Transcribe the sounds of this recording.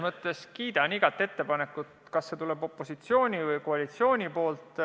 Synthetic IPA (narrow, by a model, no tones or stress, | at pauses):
mɤt̪ˑːe̞skiːd̪̥ɑniɡ̥ɑt̪ːˑe̞t̪ːe̞pɑne̞kːˑut̪kɑsːet̪ule̞bo̞pːˑo̞sit̪sio̞ːnʲivɤjko̞ɑlit̪sio̞ːnʲipo̞ːlt̪ˑ